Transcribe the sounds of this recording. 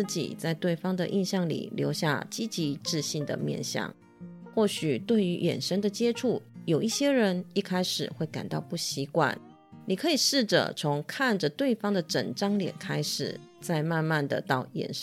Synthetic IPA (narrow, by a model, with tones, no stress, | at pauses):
t͡ɕḭ˨˩t͡sa˥˧ɪt̪we˥˩ɪfɑ˥ŋd̪ə̰˨ʔi˥˧nɕjɑ˥˩ŋlḭ˨˩ljo˧˥ʊɕja̰˥˧t͡ɕi˥t͡ɕi˧˥ʈ͡ʂɻ̩˥˧ɕi˥˩ŋd̪ə̰˩mjɛ̰˥˧nɕjɑ̰˥˩ŋ | xwɔ˥˩ɕy˨˩t̪we˥˩ɪy˧˥jɛ̰˨˩nʂə˥ŋd̪ə˨t͡ɕjɛ˥ʈ͡ʂʰu˥˩jo˨˩ʊi˥˩ɕjɛ˥ɻə˧˦˥ni˥˩kʰa˥ɪʂɻ̩̰˨˩xwe˥˩ɪka̰˨˩nt̪ɑ˥˧ʊpu˥˩ɕi˧˥kwa̰˥˩n | ni˨˩kʰɤ˧˦˥i˨˩ʂɻ̩˥˩ʈ͡ʂə̰˩t͡sʰo˧˥ŋkʰa˥˩nd͡ʒə˨˩t̪we˥˩ɪfɑ˥ŋd̪ə˨ʈ͡ʂə̰˨˩ŋʈ͡ʂɑ˥ŋljɛ̰˨˩nkʰa˥ɪʂɻ̩̰˨˩t͡sa˥˧ɪma˥˧nma˥˧nd̪ə̰˨t̪ɑ˥˩ʊjɛ̰˨˩n